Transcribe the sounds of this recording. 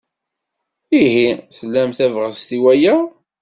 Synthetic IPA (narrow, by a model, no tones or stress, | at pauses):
iɦisəlːæmθævʁəst̪iwæjæ